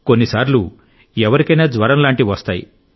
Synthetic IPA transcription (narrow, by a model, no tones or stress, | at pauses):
ko̞nːisaːɾlu | ɛʋɐɾikɐjnaːd͡ʒʋɐɾɐmlaːɳʈiʋɐst̪aːjḭ